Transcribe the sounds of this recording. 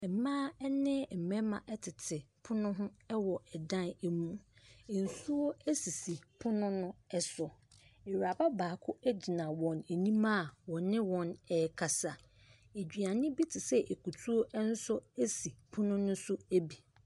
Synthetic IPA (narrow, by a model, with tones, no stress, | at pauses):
ɛ˨mãː˦ɛ˦nɪ̃˦˨m̩˨mɛ̃˦mã̰˨ʔɛ˦tʰɪ˨tʰɪ˨pʰʊ˦nʊ̃˦ɦʊ̃˦ɛ˦wɔ˨ɛ˨dã˦ne˨mũ˦˨n̩˨su˦o˦æ˦si˨si˨pʰʊ˦nʊ̃˦nʊ̃˦ɛ˦sɔ˨ | e˨ɾa˨ba˦baː˨kʰʊ˦æ˦d͡ʑi˨nã˨wɔ̃˨ne˨nĩ˦mã˦˨wɔ̃˨nɪ̃˦wɔ̃˨nɛ˨kʰa˨sa˨ | e˨d͡ʑᶣi˨a˨nɪ̃˦bi˦tʰɪ˨sɛ˦ʔe˨ku˨tʰu˦o˦ʔɛ˦n̩˦sʊ˦æ˦si˨pʰʊ˦nʊ̃˦nʊ̃˦sʊ˦æ˦bi˨